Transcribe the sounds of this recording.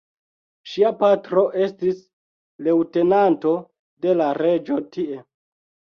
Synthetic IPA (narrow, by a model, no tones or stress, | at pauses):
ʃiapatɾo̞ʔe̞stis | le̞wte̞nanto̞ | de̞laɾe̞d͡ʒo̞tie̞